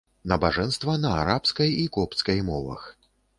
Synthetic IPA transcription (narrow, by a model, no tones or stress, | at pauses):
nɐbaʐɛnst̪vɐnɐaɾapskɐjikɔpt̪skɐjmɔvɐ̰x